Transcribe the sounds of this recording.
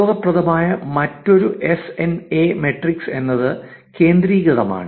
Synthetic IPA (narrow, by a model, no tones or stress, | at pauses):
oːɣɐprɐðɐmaːjɐmɐtːo̞ɾuʔe̞seneme̞ʈrikse̞nːɐðɨ | ke̞ːnd̪ɾiːɣɐðɐma̰ːɳɨ